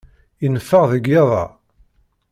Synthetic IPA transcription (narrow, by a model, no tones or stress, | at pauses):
inəfːəʁðəɡeðˤɑ̰